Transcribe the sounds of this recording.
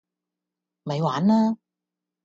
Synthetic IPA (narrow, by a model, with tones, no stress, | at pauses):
mɐ˨˧jwaː˨˥naː˧